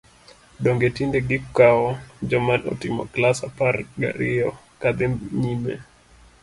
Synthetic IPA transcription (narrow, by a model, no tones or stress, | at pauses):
ɗɔŋɡɛtindɛɡikkaɔd͡ʒɔmanɔ̰timɔ̰klasapaɾɡa̰ɾiɔ | kaðimɲimɛ̰